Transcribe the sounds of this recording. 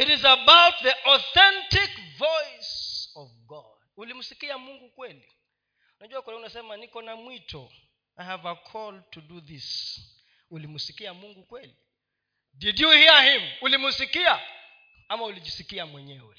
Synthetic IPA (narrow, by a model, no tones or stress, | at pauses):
iɾizabawt̪̚ðiʔɔθɛ̃ntikvɔjsɔvɡɔ̰ | d̥̚ulim̩sikiamuŋɡukwɛli | unad͡ʒuakɛlɛunasɛmanikɔnamwitʰɔ | ajhavakʰɔltʰuduðis | ulimusikiamuŋɡukwɛli | didjuhiahim̩ulimusikia | amaulid͡ʒisikiamwɛɲɛwɛ̰